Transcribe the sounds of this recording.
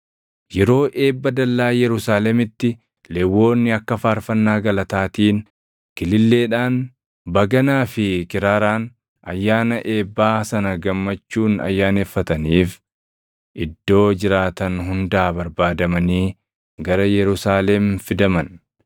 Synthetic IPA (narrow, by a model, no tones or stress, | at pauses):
jɛɾo̞ːʔeːbːɐd̪ɐlːaːjɛɾʊsaːlɛmɪt̪ːɪ | lɛwːo̞ːnːɪɐkːɐfaːɾfɐnːaːɡɐlɐt̪aːt̪iːn | kɪlɪlːe̞ːᶑaːn | bɐɡɐnaːfɪkɪɾaːɾaːn | ɐ̰jːaːnɐʔeːbːaːsɐnɐɡɐmːɐt͡ʃːuːnɐ̰jːaːneːfːɐt̪ɐniːf | ʔɪd̪ːo̞ːd͡ʒɪɾaːt̪ɐnɦʊnd̪aːbɐɾbaːd̪ɐmɐniː | ɡɐɾɐjɛɾʊsaːlɛmfɪd̪ɐmɐn